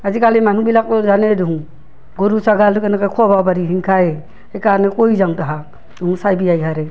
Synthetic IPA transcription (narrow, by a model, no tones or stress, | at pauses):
azikaliman̤ũbilak̚ɔd͡ʒaneduɦũ | ɡoɾusaɡalkɛnɛkakʰɔbabaɾiɦiŋkʰae | ekaɾnekoid͡ʒaŋtaɦa | uɦũsajbiajɦaɾe